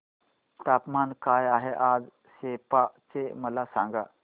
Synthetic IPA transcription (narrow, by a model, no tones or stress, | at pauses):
t̪apmankajaɦeʔad͡z | ɕepat͡seməlasãŋɡa